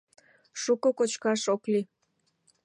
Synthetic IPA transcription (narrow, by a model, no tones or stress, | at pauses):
ʃukokot͡ɕkɑʃokli